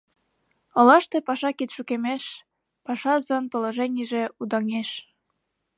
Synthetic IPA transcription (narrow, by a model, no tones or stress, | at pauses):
ŏlɑʃt̪epɑʃɑkit̪ʃukemeʃ | pɑʃɑzɤnpŏlə̆ʒenʲiʒeud̪ɑŋeʃ